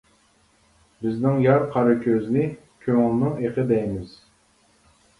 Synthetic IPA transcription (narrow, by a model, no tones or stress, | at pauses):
bɪznɪŋjɑɾqʰɑɾɨkʲʰøznɪ | kʲʰøŋɪlˠnɨŋeqʰɨd̪ɛjmɪz̥